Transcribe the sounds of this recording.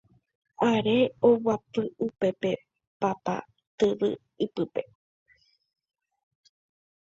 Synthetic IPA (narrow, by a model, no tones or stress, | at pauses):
aɾe̞owapɨupe̞pe̞ | papa̰ | t̪ɨʋɨ̰ | ipɨpe̞